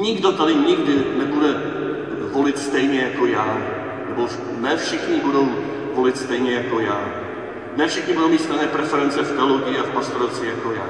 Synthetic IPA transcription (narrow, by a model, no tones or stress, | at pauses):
ɲɪɡdo̞t̪adɪɲɪɡdɪnɛbudɛ | volɪt̪st̪ɛjɲɛjakojaː | nɛbo | nɛfʃɪxɲɪbudo̞w | vo̞lɪt̪st̪ɛjɲɛjako̞jaː | nɛfʃɪxɲɪbudowmiːt̪st̪anɛːpɾɛfɛɾɛnt͡sɛft̪ɛloɡɪɪafpast̪oɾot͡svijakojaː